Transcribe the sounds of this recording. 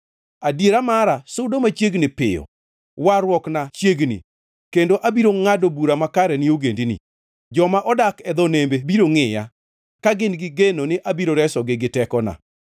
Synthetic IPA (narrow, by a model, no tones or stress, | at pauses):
adjeɾamaɾasʊdomat͡ʃjeɡnɪpɪ̰jɔ̰ | waɾwɔknat͡ʃjeɡnḭ | kendoʔabiɾoŋadobuɾamakaɾɛnioɡendinḭ | d͡ʒɔmaʔɔdakɛd̪ɔnembebiɾoŋɪja̰ | kaɡɪnɡɪɡenonɪʔabiɾoɾɛsɔɡɪɡɪtɛkɔna̰